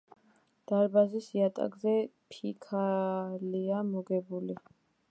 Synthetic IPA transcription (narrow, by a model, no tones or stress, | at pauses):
d̪̥aɾbazisiat̪ʼa̰ɡzɛpʰikʰaliamɔɡɛbuli